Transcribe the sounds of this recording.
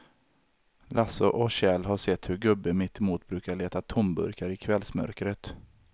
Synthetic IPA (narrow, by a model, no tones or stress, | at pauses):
lʔasʊʔɔɕɛlɦaʂɛt̪ːhɵɾɡɵbːəmɪt̪muːt̪̚bɾʉːkaɭeːt̪at̪ʰɔmbɵ̰ɾkaɾɪkʰvɛlsmœ̰ɾkɾət̪